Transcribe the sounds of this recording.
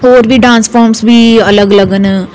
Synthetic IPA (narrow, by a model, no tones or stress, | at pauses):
ɦoːɾbʱiɖãːnsfɔːɾmsbʱiɐləɡələɡən